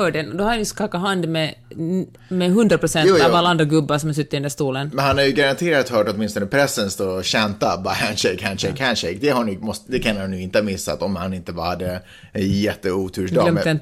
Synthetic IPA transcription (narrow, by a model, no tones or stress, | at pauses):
œːɖɛnɔd̪ɔhaɾanjʉskɑkːaɦand̪mɛ | mɛɦɵnd̪ɾapʰɾʊsɛnuːaːvalːaand̪ɾaɡɵbːasɔmhas̬ɵt̪ːɪɵnd̪æʂt̪uːlənmɛnhanhaɾjɵɡaɾant̪ʰeːɾat̪hœːʈɔt̪mɪnst̪ɔnəpʰɾɛsːənst̪oːɕɛnt̪abahænʃɛɪkhanʃɛɪkhanʂɛɪk̚d̪ɛhanːmɔst̪d̪ɛkʰanhanːʉɪnt̪əhamɪsːa̰t̪ɔmhanɪnt̪əbɑ̰ːɾhad̪ːə | ɛnjɛt̪ːəuːt̪ʰʉːʂd̪ɑlɛmɛn